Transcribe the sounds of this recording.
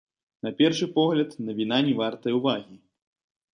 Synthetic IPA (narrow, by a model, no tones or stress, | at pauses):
nɐpʲɛrʂɨpɔɣlʲɐt̪nɐvʲinanʲivart̪ɐjɛwvaɣʲi